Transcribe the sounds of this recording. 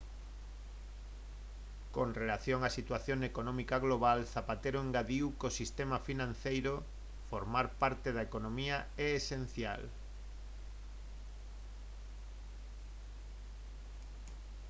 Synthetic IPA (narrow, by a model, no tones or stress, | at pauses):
koŋrelaθjoŋasit̪waθjoŋekonɔ̃mikaɣloβ̞alθapat̪eɾoeŋɡaðiwkosist̪emafinãn̟θejɾo | foɾmaɾpaɾt̪eðaekonomiaɛesen̟θja̰l